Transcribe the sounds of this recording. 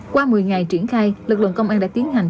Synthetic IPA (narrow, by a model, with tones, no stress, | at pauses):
kwaː˧mɨ˨˩əjŋa˨˩jt͡ɕi˧˩ənxaː˧jlɨ˨˩k̚lɨ̰˧˨ənkə˧wŋ͡mʔaː˧nɗa̰ː˧˥t̪i˨˦ənɦa˨˩ŋ̟